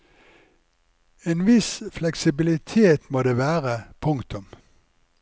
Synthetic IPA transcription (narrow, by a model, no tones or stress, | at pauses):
eːnʋɪsflɛksɪbɪlɪt̪ʰeːt̪moːd̪eːʋæːʁəpʰʊŋkt̪ʊm